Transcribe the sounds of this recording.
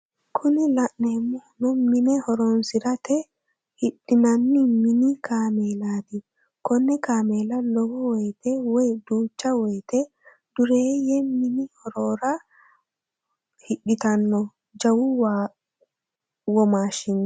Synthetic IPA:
kʰʊnɪlɐʔneːmːʊnɔmɪnɛhɔɾɔnsɪɾɐt̪ɛ | hɪɗːɪnɐnːimɪnikaːmeːlaːt̪ɪ | kɔnːɛkaːmeːlɐlɔɡɔwɔjt̪ɛwɔjd̪uːt͡ʃːɐwɔjt̪ɛ | d̪̥ʊɾeːjɛmɪnɪhɔɾoːɾɐ | hɪɗːɪt̪ɐnːɔ | d͡ʒɐwʊw | wɔmaːʃɪnːɔ

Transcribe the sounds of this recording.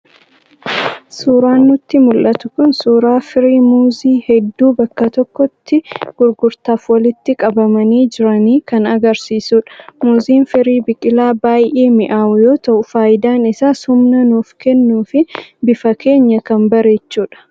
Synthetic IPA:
suːɾaːnːʊt̪ːɪmʊlʔɐt̪ʊkʊnsuːɾaːfɪɾiːmuːziːhɛd̪ːuːbɐkːɐt̪ɔkːɔt̪ːɪɡ̥ʊɾɡʊɾt̪aːfwɐlɪt̪ːɪkʼɐbɐmɐniːd͡ʒɪɾɐniːkɐnɐɡɐɾsiːsuːᶑ̥muːziːnfɪɾiːbɪkʼɪlaːbaːjʔeːmɪʔaːʔʊjo̞ːt̪ɐʔʊfaːjɪd̪aːnɪsaːshʊmnɐnuːfkɛnːuːfɪbɪfɐkʰe̞ːɲːɐkɐmbɐɾe̞ːt͡ʃːuːᶑɐ̥

